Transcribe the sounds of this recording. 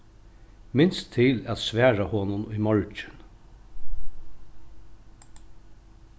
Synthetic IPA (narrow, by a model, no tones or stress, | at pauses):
mɪnst̪ʰːɪlæt̪sʋæːɹahɔnʊnʊjmɔɹt͡ʃɪn